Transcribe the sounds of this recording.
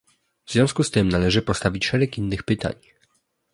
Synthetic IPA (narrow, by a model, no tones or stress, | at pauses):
vzvjɔ̃w̃skust̪ɘmnalɛʐɘpɔst̪avʲit͡ɕʂɛɾɛkinːɘxpɘt̪a̰ɲ